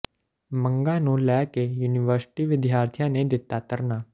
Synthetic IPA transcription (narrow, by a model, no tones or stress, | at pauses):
mə̃ŋɡãːnũːlɛːkejuːnɪʋəɾsɪ̥ʈiːʋɪd̪ʱjaːɾt̪ʰjãːned̪ɪt̪ːaːt̪əɾnaː